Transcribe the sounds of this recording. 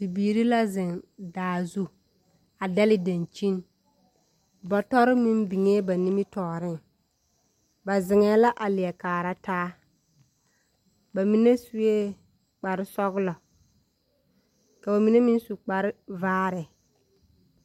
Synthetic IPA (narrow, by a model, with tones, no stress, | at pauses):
bi˨biː˨ɾi˦la˦zɪ˨ndaː˨zu˦ | a˨da˦lɪ˦da˨nt͡ʃi˦n | bɔ˨tɔ˦ɾɪ˦mi˦n˦bi˨ŋeː˦ba˨ni˦mi˦tɔː˨ɾɪ˦ŋ | ba˨zɪ˨ŋɛː˨˦la˦ʔa˨lɪ˨ɛ˨kaː˨ɾa˦taː˦ | ba˨mi˨ne˦su˦e˦ | k͡pa˨ɾɪ˦sɔ˦ɣʊ˦lɔ˨ | ka˨ba˨mi˨ne˦mi˦n˦su˨k͡pa˨ɾɪ˦vaː˦ɾɪ˨